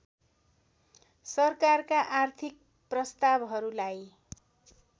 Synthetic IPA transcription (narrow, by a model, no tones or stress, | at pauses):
sʌrkarkaʔart̪ʰik̚ | prʌst̪abɦʌɾulaj